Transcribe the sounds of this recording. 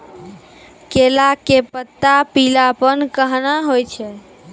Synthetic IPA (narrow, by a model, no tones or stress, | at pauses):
kelakepət̪ːapilapənkəɦnaɦojt͡ʃʰɛ